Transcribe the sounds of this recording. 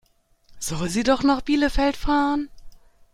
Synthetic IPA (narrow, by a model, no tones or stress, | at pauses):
z̥ɔlziːdɔχnɔχb̥iːləfɛltfaːʁən